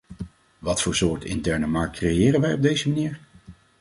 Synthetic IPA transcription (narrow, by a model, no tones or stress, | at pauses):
ʋɑtfʊːɹsʊːɹtɪ̰ntɛɹnəmɑɹkt̚krejɪːrənʋɛjɔb̚dejzəmaniːɹ